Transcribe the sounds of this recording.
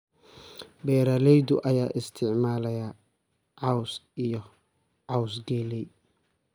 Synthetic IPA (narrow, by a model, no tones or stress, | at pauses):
bɛːɾɐlɛjd̪ʊʔɐjaːʔɪst̪ʰɪʕmaːlɐjɐ | ʕɑwsijɔ | ʕɑwsɡɛlɛj